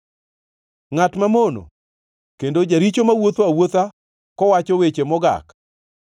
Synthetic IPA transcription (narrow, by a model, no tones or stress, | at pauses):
ŋatmamono̰ | kendod͡ʒaɾit͡ʃomawot̪awot̪a | kɔwat͡ʃɔwet͡ʃemɔɡa̰k